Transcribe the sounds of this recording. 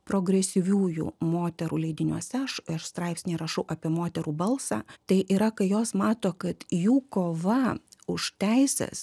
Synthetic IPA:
pɾoːɡɾʲɛsʲɪʋʲuːjṵːmoːt̪ʲɛɾuːlʲɛɪd̪ʲɪnʲuɔsʲɛɐʃɐʃst̪ɾɑɪpʲsʲnʲɛɪɾɐʃɐʊʔɑːpʲiɛmoːt̪ʲɛɾuːbɐlˠsɑ̰ːt̪ɐɪʔiːɾɐkɐɪjoːsmɑːt̪oːkɐt̪juːkoːʋɐʊʃt̪ʲæɪsʲɛ̰s

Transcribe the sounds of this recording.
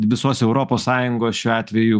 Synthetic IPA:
ʋʲɪsoːsɛʊɾoːpoːssɑːjʊŋɡoːsʃʲuːɑːt̪ʲʋʲɛju

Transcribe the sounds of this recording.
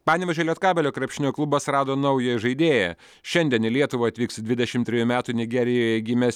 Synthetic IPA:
pɑːnʲɪʋʲɛʒʲɛːlʲɛːt̪kɑːbʲɛlʲoːkɾɐpʲʃʲɪnʲoːklˠʊbɐsɾɑːd̪oːnɐʊjɛʒɐɪd̪ʲeːjɛ | ʃʲɛnʲd̪ʲiɛnɪlʲiɛt̪ʊʋoɐt̪ʲʋʲiːkst̪d̪ʲʋʲɪd̪ʲɛʃʲɪmt̪ʲɾʲɪjuːmʲæːt̪unʲɪɡʲɛɾʲɪjoːjɛɡʲɪmʲɛs

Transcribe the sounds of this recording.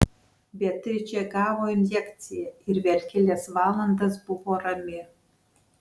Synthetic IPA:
bʲɛt̪ʲɪt͡ʃʲɛɡɑːʋoːɪnʲjɛkʲt̪sʲɪjɛɪɾʋʲɛɾʲkʲɪlʲesʋɑːlˠɐnd̪ɐsbʊʋoːɾɐmʲɪ

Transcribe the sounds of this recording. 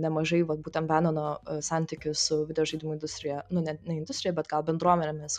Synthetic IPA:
nʲɛmɐʒɐɪʋɐt̪̚buːt̪ʲɛnbʲæːnʲonoːsɑnʲt̪ʲɪkʲʊsʊʋʲɪd̪ʲɛjoːʒɐɪd̪ʲɪmʊɪnd̪ʊsʲt̪ʲɾʲɪjɛnʊnʲɛnʲɛɪnd̪ʊsʲt̪ɾʲɪjɛbʲɛt̪ɡɐlˠbʲɛnd̪ɾuɔmʲɛnʲemʲɪs

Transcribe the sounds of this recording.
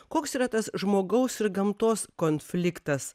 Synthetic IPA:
koːksiːɾɐt̪ɐsʒmoːɡɐʊsɪɾɡɐmt̪oːskoːnʲfʲlʲɪkt̪ɐs

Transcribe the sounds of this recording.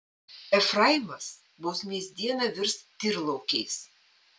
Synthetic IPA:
ɛfɾɐɪmɐs | bʊʊsmʲiɛzʲd̪ʲiɛnɐʋʲɪɾst̪ʲɪɾlˠɐʊkʲɛɪs

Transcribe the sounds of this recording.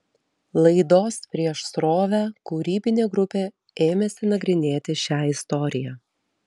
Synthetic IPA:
lˠɐɪd̪oːspʲɾʲiɛʃsɾoːʋʲæːkʊɾʲiːbʲɪnʲeːɡɾʊpʲeː | eːmʲesʲɪnɐɡɾʲɪnʲeːt̪ʲɪʃʲæːɪst̪ɔɾʲɪjæː

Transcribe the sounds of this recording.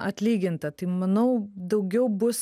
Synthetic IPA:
ɐt̪ʲlʲiːɡʲɪnt̪ɐt̪ɐɪmɐnɐʊd̪ɐʊɡʲɛʊbʊs

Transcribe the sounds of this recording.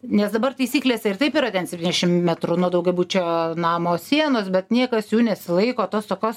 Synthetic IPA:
nʲɛsd̪ɐbɐrt̪ɐɪsʲiːklʲeːsʲɛɪrt̪ɐɪpiːɾɐt̪ʲɛnsʲɛp̚ʲt̪ʲinʲɛʃʲɪmmʲæt̪ɾʊnuɔd̪ɐʊɡʲɛbuːt͡ʃʲoːnɑːmoːssʲiɛnoːsbʲɛt̪nʲiɛkɐsjuːnʲɛsʲɪlˠɐɪkoːt̪oːst̪oːkʲoːs

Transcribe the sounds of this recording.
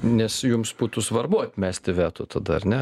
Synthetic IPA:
nʲɛsjʊmsbuːt̪ʊsʋɐrbʊɐt̪ʲmʲæːsʲt̪ʲɪʋʲæːt̪ʊt̪ʰɐd̪ɐɐɾnʲɛ

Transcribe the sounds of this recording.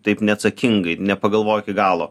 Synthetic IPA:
t̪ɐɪpnʲɛɐt̪sɐkʲɪŋɡɐɪnʲɛpɐɡɐlˠʋoːjokʲɪɡɑːlˠoː

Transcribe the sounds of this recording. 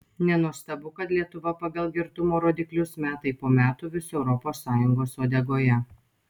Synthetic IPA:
nʲɛnuɔst̪ɐbʊkɐt̪lʲiɛt̪ʊʋɐpɐɡɐlˠɡʲɪɾt̪ʊmoːɾoːd̪ʲɪklʲʊsmʲæːt̪ɐɪpoːmʲæːt̪ʊʋʲɪsɛʊɾɔpoːsːɑːjʊŋɡoːsoːd̪ʲɛɡoːjɛ

